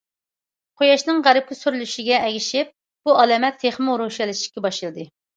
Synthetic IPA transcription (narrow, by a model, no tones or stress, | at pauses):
qʰojɑʃnɨŋʁæɾɪp̚kʰʲysyɾylyʃiɡʲɛɛɡʲiʃɪp̚ | b̥uɑlɛːmɛt̪ʰːeχmɾoʃɛlɪʃi̥kʲɛbɑʃɨlˠɨd̪ɨ